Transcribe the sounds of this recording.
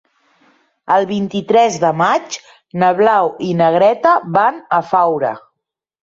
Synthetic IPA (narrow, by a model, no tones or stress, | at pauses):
əlˠβint̪it̪ɾɛzðəmat͡ʃ | nəβlawinəɣ̞ɾɛt̪əβanəfawɾə̰